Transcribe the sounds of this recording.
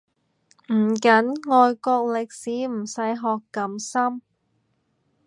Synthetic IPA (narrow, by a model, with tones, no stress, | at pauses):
m̩˨˩kɐ˨˥nŋɔː˨˧jkɔː˧k̚lɪ˨k̚siː˨˥m̩˨˩sɐ˨˥jɦɔː˨kːɐ˨˥msɐ˥m